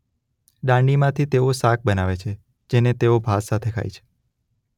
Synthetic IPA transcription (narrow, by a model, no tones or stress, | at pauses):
ɖãɳɖimãt̪ʰit̪eosak̚bənaʋet͡ʃʰe | d͡ʒenet̪eobʱasat̪ʰekʰa̰jt͡ʃʰe̥